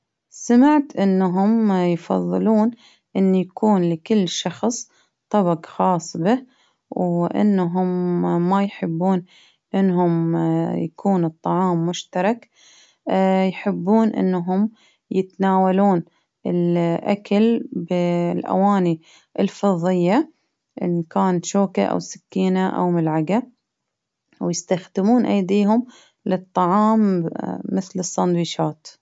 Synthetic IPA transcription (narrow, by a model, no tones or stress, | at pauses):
samɪʕt̪ʔɪnːaɦʊmjfɑ̰ðˤːɨluːn | ʔɪnːjakʰuːnlɪkɪlːʃɑxsˤ | t̪ˤːɑbɑqxɑːsˤbɪh | wʔɪ̰nːɦʊmːajħɪbːuːn | ʔɪnːɦʊmjakʰuːnɨt̪ˤːɑʕɑːmːʊʃt̪ɑɾˤɑk | jħɪbːuːnʔɪ̰nːɦʊm | jɪt̪naːwaluːn | ɪlʔa̰kalbɪlʔa̰waːni | ʔɪlfɑðˤːɪjːa | ʔɪ̰nkaːnat̪ʃoːka̰ʔa̰wsɪ̥kːiːnaʔa̰wmʊlʕaɡa | wjɪst̪axd̪ɪmuːnʔajd̪iːɦʊm | lɨt̪ˤːɑʕɑːmː | ɪθlɨsˤːɑnd̪wiːʃaːt̪